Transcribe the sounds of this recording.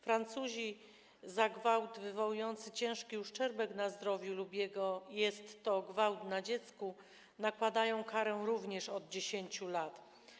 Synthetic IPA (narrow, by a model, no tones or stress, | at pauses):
fɾant̪suʑi | zaɡvawt̪vɘvɔwujɔnt̪sɘt͡ɕɛ̃w̃ʂkʲiuʂt͡ʂɛɾbɛknazd̪ɾɔvʲjulubʲjɛɡɔjɛst̪ːɔɡvawt̪nad͡ʑɛt̪sku | nakwad̪ajɔ̃w̃kaɾɛw̃ɾuvɲɛʂɔd̪̚d͡ʑeɕeɲt͡ɕulat̪